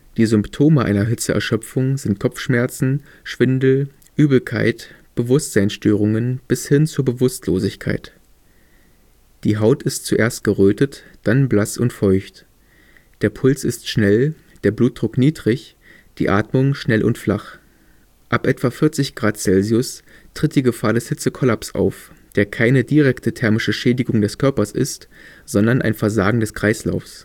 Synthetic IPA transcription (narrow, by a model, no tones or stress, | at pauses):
d̥iːzʏmptʰoːməʔa̰ɪnɐɦɪt͡səʔɛ̰ɐʃœp͡fʊŋzɪnt̚kʰɔfʃmɛɐt͡sn̩ | ʃv̥ɪndl̩ | ʔyːbl̩kʰa̰ɪt | b̥əvʊstz̥aɪnsʃtøːʁ̞ʊŋənb̥ɪshɪnt͡suːɐbəvʊstʰlo̰ːzɪçkʰa̰ɪt | d̥iːɦaʊtɪstt͡suʔeːɐst̚ɡ̥əʁøːtət | d̥anblasʊntfɔʏçt | d̥eːɐpʰʊlt͡sɪstʃnɛl | d̥eːɐbluːt̚d̥ʁʊkniːdʁɪç | d̥ḭːʔaːtmʊŋʃnɛlʔʊ̰ntflaχ | ʔapʔɛtv̥afɪɐt͡sɪçɡ̥ʁaːtt͡sɛlziʊstʁ̥ɪt̚d̥iːɡəfaːɐdɛshɪt͡səkʰɔlapsʔa̰ʊfd̥eːɐkʰaɪnədiʁɛktʰətʰɛɐmɪʃəʃɛːdɪɡʊŋdɛskʰœɐpɐsʔɪ̰stz̥ɔndɐnʔa̰ɪnfɛɐzaːɡŋ̩dɛskʁ̥aɪsla̰ʊfs